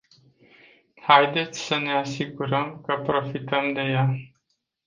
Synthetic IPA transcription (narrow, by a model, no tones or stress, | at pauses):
hajd̪e̞t̪sʲsəne̞asiɡuɾəmkəpɾo̞fit̪əmd̪e̞ja